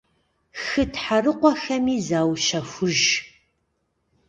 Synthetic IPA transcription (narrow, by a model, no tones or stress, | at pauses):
xɨtʰħarɨqʷɔxɐmiːzaːwʃɐfʷʊʒ